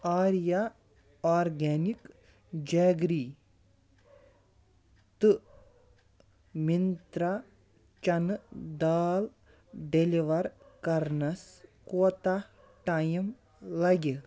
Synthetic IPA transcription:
aːɾija | aːɾɡɛːnik | d͡ʒaːɡɾiː | t̪ɨ | mint̪ɾa | t͡ʃɐnd̪aːl | ɖeliʋɐɾkɐɾnɐskoːt̪a | ʈaːjim | lɐɡʲi

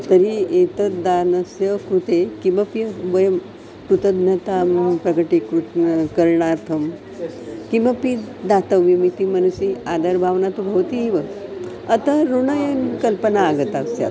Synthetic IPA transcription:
t̪əɾiet̪əd̪anəsjəkɾut̪ekiməpjəʋəjəm | t̪ut̪əd̪nət̪apɾəkəʈikukəɾɳaɾt̪ʰəm | kiməpid̪at̪əʋʋimit̪imənusiad̪əɾbʱaʋnat̪ubʱəʋt̪iiʋə | ət̪aɾuɳəjənkəlpənaːɡət̪asja̰

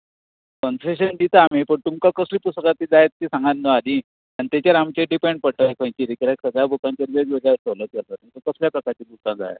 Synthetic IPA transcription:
kənseɕ̬ənd̪it̪aːmipəɳt̪umkakəsliːpust̪kat̪iːd͡zajet̪ːiːsãŋɡanːəad̪i | ãit̪jat͡ɕaɾamt͡ɕeɖipẽɳɖ̚pəɽʈajkʰə̃jt͡ɕiɾikɾaksəɡjabʱuk̪aɲt͡ɕaɾʋeʋeɾaɾt͡sələk̪eɾt̪at̪umkakəsljapɾəkaɾt͡ɕiːbʱut̪ãd͡za̰j̰

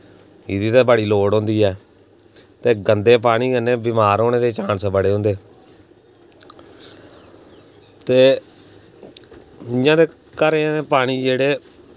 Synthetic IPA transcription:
ɪːd̪iːt̪abəɽiːloːɽõːnd̪iːɛː | t̪eːɡənd̪eːp̬aːɽ̃iːɡənẽːbɪmaːɾɦoːneːd̪eːt͡ʃãːnsbəɽeːɦʊ̃nd̪eː | t̪eː | ɪjãːd̪eː | kəɾẽeːpaːɽ̃iːd͡ʒeːɽeː

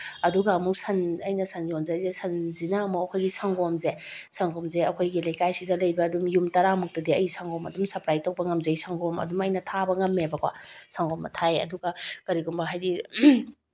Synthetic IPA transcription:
ɐduɡɐːmuk̚sɐnɐjnɐsɐnjonzajzesɐnzinaːmɐɐkʰojɡisaŋɡomzesaŋɡomzeɐkʰojɡilɐjkajsidɐlɐjbɐːdumjumtɐɾamuk̚tɐdiɐjsaŋɡomɐ̰dumsɐpɾajtʰowk̚pɐŋɐmzɐjsaŋɡomɐ̰dumɐjnɐtʰabɐŋɐmːebɐkʰwa̰saŋɡomːɐ̰tʰajɐ̰duɡɐkɐɾiɡumbɐɦajdi

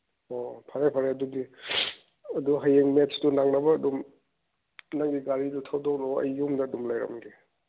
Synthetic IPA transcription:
opʰaɾajpʰaɾeɐdudi | ɐduɦajeŋmetsdunaŋnɐbɐːdum | naŋɡiɡaɾidutʰawdɔk̚doɐ̰jːumdɐːdumlajɾɐ̰mɡe

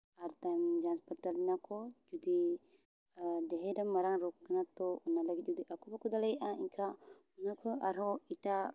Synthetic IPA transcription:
aɾt̪amd͡ʒanspat̪alinakod͡ʒud̪i | ədɛɦedamːaɾaŋɾukːanat̪ounalaɡid͡ʒud̪iʔakubakud̪alaiʔaiŋkʰa | unakʰuaɾɦoit̪a

